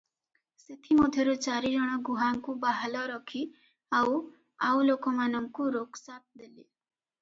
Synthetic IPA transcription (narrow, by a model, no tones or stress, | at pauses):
set̪ʰimod̪ʱjɔɾut͡ʃaɾid͡ʒɔɽ̃ɔɡuɦaŋkubaɦalɔɾɔkʰi | aw | awlokɔmanɔŋkuɾoksap̪̚d̪eli